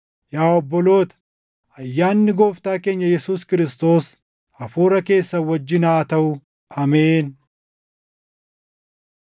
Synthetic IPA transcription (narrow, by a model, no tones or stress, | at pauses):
jaːɔbːɔlo̞ːt̪ɐ̥ | ɐjːaːnːɪɡo̞ːft̪aːke̞ːɲːɐjɛsuːskɪɾɪst̪o̞ːs | ɐfuːɾɐke̞ːsːɐwɔd͡ʒːɪnaːt̪ɐwʊ | ɐme̞ːn